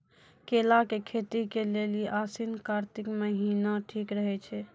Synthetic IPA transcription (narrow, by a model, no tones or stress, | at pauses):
kelakekʰet̪ikeleliʔasinkaɾt̪ikməɦinaʈʰikɾəɦɛt͡ʃʰɛ